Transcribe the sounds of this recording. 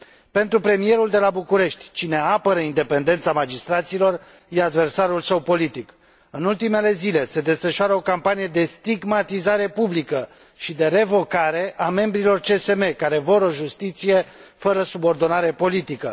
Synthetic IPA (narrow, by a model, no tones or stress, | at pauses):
pe̞nt̪ɾupɾe̞mije̞ɾuld̪e̞labukuɾe̞ʃt̪ʲt͡ʃine̞apəɾəind̪e̞pe̞nd̪e̞nt̪samad͡ʒist̪ɾat̪siːlo̞r | jead̪ve̞rsaɾulsəwpo̞lit̪ik | ɨnult̪ime̞le̞zile̞se̞d̪e̞sfəʃoaɾəo̞kampanije̞d̪e̞st̪iɡmat̪izaɾe̞publikə | ʃid̪e̞ɾe̞vo̞kaɾe̞ʔame̞mbɾilo̞rt͡ʃe̞se̞me̞kaɾe̞voɾo̞ʒust̪it̪sije̞ | fəɾəsubo̞rd̪o̞naɾe̞po̞lit̪ikə̰